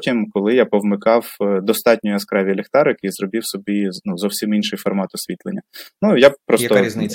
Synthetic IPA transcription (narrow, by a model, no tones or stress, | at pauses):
tʲimkɔlˠɪjapɔwmɪkɑwd̪ɔst̪ɑtʲnʲʊjʊɐskɾɛʋʲilʲɪxt̪ɑɾjɐkijzrɔbʲiwsɔbʲinuzɔwsʲiminʃɪjfɔrmɑt̪ɔsʲʋʲit̪lˠenʲːɐnujapɾɔst̪ɔzn